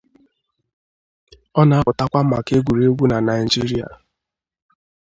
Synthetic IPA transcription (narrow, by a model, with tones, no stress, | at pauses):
ɔ˦na˨˦pʊ˨ta˦kʷa˦ma̰˨ke˦ɡʷu˨ɾe˦ɡʷu˦na˨na˨ɪ˨d͡ʒi˦ɾi˦a̰˨